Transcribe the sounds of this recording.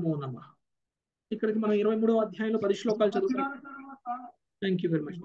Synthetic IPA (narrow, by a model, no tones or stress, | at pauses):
bounːaːmːa | ikːɐɽikimɐnɐmiɾɐʋɐjmuːɽuʋɐd̪ʱjaːjɐloːpɐd̪iʂloːkaːlt͡ʃɐd̪uːɐ | t̪ʰaːŋkjuʋeɾimɐt͡ʃ